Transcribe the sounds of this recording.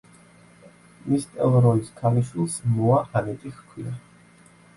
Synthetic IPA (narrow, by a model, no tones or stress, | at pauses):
mist̪ʼɛlˠɾɔiskʰaliʃwilˠsmuaʔanɛt̪ʼixkʰwia